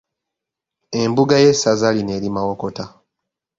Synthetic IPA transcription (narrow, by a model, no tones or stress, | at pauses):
e̞mbuɡajesazaline̞ːɾimawo̞ko̞ta